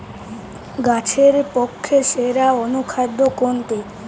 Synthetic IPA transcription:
ɡat͡ɕʰeɾpokʰːeʃeɾaonukʰad̪ːokont̪e

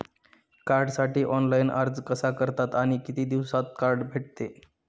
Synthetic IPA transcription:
kaɾɖsaʈiːʔɔnlainʔa̰ɾd͡zkəsakəɾt̪at̪aɽ̃ikit̪iːd̪iʋsat̪̚kaɾɖbʱeʈ̚t̪e

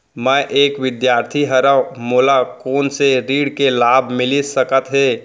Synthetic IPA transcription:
mɛ̃ʔeːkʋɪd̪jaːɾt̪ʰiɦəɾəmoːlakoːnseɾiːɽkelaːbʱmɪlisəkət̪ɦeː

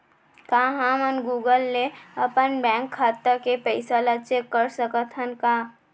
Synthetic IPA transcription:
kaɦãmənɡuɡəlːeəpənbɛ̃ŋkʰːat̪ːəɾkepəɪsalət͡ʃekːəɾsəkət̪ʰɦənka

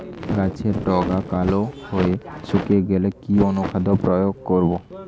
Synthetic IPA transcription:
ɡat͡ɕʰeɾɖɔɡakalohoesukeɡelekionukʰad̪opɾɔjoɡ̚koɾbo

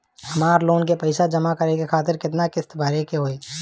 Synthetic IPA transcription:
ɦɐmaːɾloːnkepɐɪsad͡ʒəmakəɾekekʰaːt̪ɪɾkɪt̪nakɪst̪bʱaɾekeɦoːeː

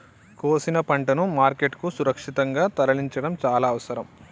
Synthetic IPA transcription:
koːsinɐpɐɳʈɐnumaːɾkeʈkusuɾɐkʂit̪ɐŋɡaːt̪ɐɾɐɭiɲt͡ʃɐɽɐmt͡ʃaːlaːɐʋɐsɐɾɐm

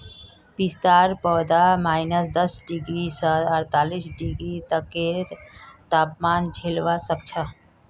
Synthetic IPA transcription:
bist̪aɾpəd̪amaːɪnəsd̪əsɖiɡɾisəəɾt̪alisɖiɡɾit̪əkːeɾt̪apmaːnd͡ʒʱelʋasəkt͡ʃʰə

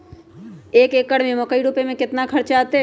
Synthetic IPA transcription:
eːkeːkːəɽmẽmokəiɽuːpemẽkɪt̪nakʰɐɾt͡ʃaːt̪e

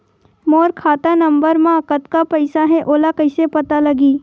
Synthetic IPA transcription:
moːɾkʰaːt̪anɐ̃mbəɾmãkət̪kapɐɪsaɦɛʔoːlakɐɪsepɐt̪alɐɡiː

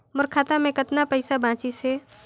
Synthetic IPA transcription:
məɾkʰaːt̪amẽkət̪napəɪsabãːt͡ʃise

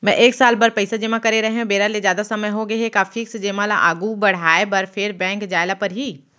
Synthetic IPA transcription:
mɛ̃ʔeːksaːlbɐɾpɐɪsad͡ʒeːmãkɐɾeɾɐɦeɦũbeːɾalezjaːd̪asɐməjɦoɡɐɦekaːfʰiksd͡ʒeːmãlaʔaːɡubɐɽ̤aːebɐɾfʰɪɾbɛ̃ːŋkd͡ʒaːɪlapɐɾɦiː

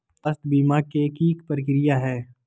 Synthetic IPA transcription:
əst̪biːmakekiːkpəɾkɾɪjaɦɛː

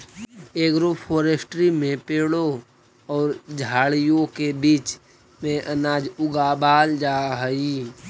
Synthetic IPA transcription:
eːkɾupfoːɾesʈɾimẽpeːɽo | ɔːɾd͡ʒʱaːɭijõkebiːt͡ʃ | mẽʔənaːd͡ʒʊɡaːbaːld͡ʒaːɦəiː

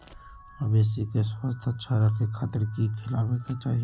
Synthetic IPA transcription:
əbesikeswəst̪ʰətːʃʰaɾəkʰekʰaːt̪əɾkikʰɪlaːbẽkat͡ʃaːɦie

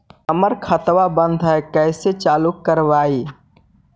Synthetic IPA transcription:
əməɾkʰət̪wabə̃nd̪ʱɦɛkɛːset͡ʃaːlukːəɾʋaːi

